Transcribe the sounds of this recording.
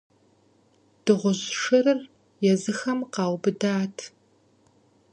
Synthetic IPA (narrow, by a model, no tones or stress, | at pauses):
d̥ɨʁʷʊʑʂɨrɨr | jɛzɨxɐmqɑːwbɨdaːtʰ